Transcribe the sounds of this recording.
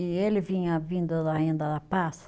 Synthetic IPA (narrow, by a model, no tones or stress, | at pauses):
ɪelɪvĩɲɐvĩnd̪ɐd̪aẽnd̪ɐd̪ɐpas